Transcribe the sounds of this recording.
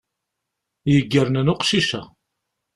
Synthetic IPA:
jəɡːəɾnənʊqʃiʃæ

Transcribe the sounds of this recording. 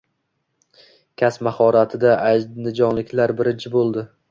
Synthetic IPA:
kʲʰasmahɒɾat̪ʰɪd̪aʔad͡ʒnɪd͡ʒɒnlɪkʲlaɾbɪɾɪt͡ʃʰɪbolˠd̪ɪ

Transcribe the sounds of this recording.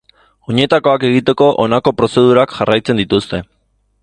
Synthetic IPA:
o̞ɲe̞t̪ako̞ake̞ɣit̪e̞ko̞ʔonako̞pɾo̞se̞ð̞uɾakʝarajt͡se̞nd̪it̪ust̪e̞

